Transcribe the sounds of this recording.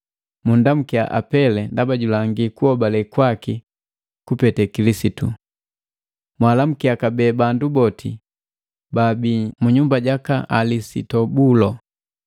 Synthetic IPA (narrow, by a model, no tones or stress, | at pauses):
mundam̩kia̰ʔa̰pɛlɛndabaɟulaŋɡikuhɔbalɛkwaki | kupɛtɛkilisitṵ | mwalam̩kiakabɛːbandubɔtʰḭ | babimuɲumbaɟakaalisḭtɔbulɔ